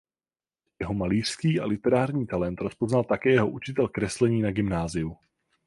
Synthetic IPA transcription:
jɛɦo̞maliːr̝̥skiːalɪt̪ɛɾaːrɲiːt̪alɛnt̪ɾo̞spo̞znalt̪akɛːjɛɦo̞ʔut͡ʃɪt̪ɛlkɾɛslɛɲiːnaɡɪmnaːzɪju

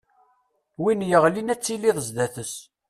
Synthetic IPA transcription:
winjəʁlinæt͡sːiliðˤəzd̪æθəs

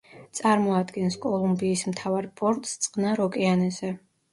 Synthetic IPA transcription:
t̪sʼaɾmɔad̪ɡɛnskʼɔlˠumbiːsmt̪ʰavaɾpʼɔɾt̪ʼst̪sʼqʼnaɾɔkʼɛanɛzɛ

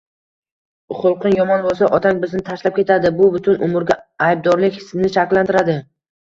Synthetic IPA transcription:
χʊlˠqʰɨnjɒmɒnbolˠs̬aʔɒt̪ʰaŋbɪznɪt̪ʰaʃlap̚kʲʰe̞t̪ʰad̪ɪbʊbʊt̪ʰʊnʊmʊɾɡʲaajb̚d̪ɒɾlɪkʲhɪ̥sɪnɪʃakʲlːant̪ɪɾad̪ɪ

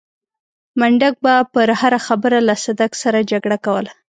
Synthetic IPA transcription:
maɳɖak̚bapəɾhaɾaxabəɾalasad̪aksaɾad͡ʒaɡɽakawəla

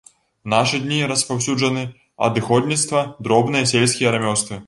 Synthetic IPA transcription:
naʂɨd̪ʲnʲiɾɐspaws̬ʲud͡ʐɐnɨ | ɐ̰d̪ɨxɔd̪ʲnʲit̪st̪vɐd̪ɾɔbnɨjɐs̬ʲelʲsʲkʲijɐɾamʲɔwst̪vɨ

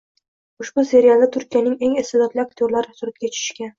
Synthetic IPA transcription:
ʊʃbʊse̞ɾijalˠd̪at̪ʰʊɾkʲijanɪŋeŋesɪlɒt̪lɪak̚t̪ʰjoɾlaɾɪsʊɾɪt̪̚ɡʲat͡ʃʰɪ̥ʃɪ̥ʃkʲan

